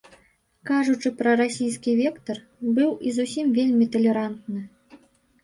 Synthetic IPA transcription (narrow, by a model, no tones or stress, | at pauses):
kaʐut͡ʂɨpɾɐɾasʲijskʲivʲɛkt̪ɐr | bɨwizusʲimvʲelʲmʲit̪ɐlʲɛɾant̪nɨ